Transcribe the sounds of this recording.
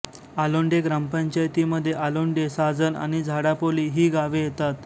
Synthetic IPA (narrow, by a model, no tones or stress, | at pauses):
aloɳɖeɡɾampəɲt͡ɕajt̪iːməd̪ʱːjeʔaloɳɖesad͡zəna̰ɽ̃id͡zʱaɽapoliːɦiːɡaʋejet̪at̪